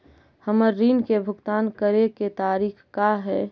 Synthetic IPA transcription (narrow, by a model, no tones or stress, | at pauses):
həməɾːiːnkebʱʊɡt̪aːnkəɾeket̪aːɾiːxkaɦɛː